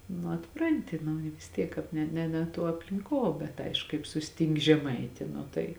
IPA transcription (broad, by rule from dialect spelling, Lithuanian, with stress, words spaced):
nʊ ɐtˈprɐnʲtʲɪ nʊ ɪ ʋʲɪs ˈtʲiɛk ˈkɑːp nʲɛ nʲɛ nʲɛ ˈtuɔ ɐpʲlʲɪŋˈkuɔ bʲɛt ˈɐɪʃkʊ kɐɪp sʊsʲˈtʲɪŋʲkʲɪ ʒʲɛˈmɐɪtʲɪ ˈnʊ tɐɪ